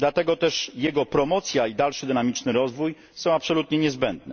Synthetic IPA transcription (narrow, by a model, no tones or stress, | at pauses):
d̪lat̪ɛɡɔt̪ɛʂjɛɡɔpɾɔmɔt̪sʲjaid̪alʂɘd̪ɘnamʲit͡ʂnɘɾɔzvuj | sɔ̃w̃apsɔlut̪ɲɛɲɛzbɛnd̪nɛ